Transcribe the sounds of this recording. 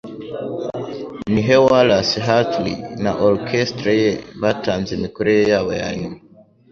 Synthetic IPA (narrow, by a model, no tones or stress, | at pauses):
niɦewalasiɦatlḭnaʔoɾkʰestɾajeβatʰaːnzemikoɾejejaːβaja̰ːɲumaa